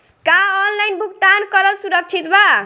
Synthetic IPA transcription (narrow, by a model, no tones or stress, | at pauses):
kaɔnlajnbʱuk̚t̪ankʌɾʌlsuɾʌk̚t͡ʃʰit̪ba